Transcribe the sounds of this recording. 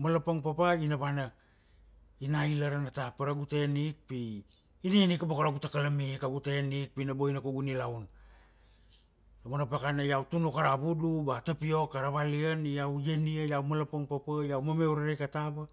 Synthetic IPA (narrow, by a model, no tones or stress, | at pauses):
malapoŋpapainaβanak | inailaɾanatapaɾaɡutenik̚pi | inienikabokaɾaɡutakalamikaɡutenik̚pinaboinakoɡunilawn | amonap̬akanajawtunokaɾabudubatapio̞kːaɾaβalianijawjeniajawmalapoŋpapajawmame̞wɾaɾejkataba